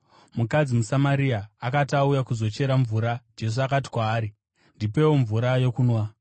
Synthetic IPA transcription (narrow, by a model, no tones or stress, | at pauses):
mukad͡zimusamaɾiaːkataujakuzo̞t͡ʃe̞ɾaɱvuɾad͡ʒe̞s̬uakati̥kwaːɾi | ndipe̞wo̞ɱvuɾajo̞kuːnwa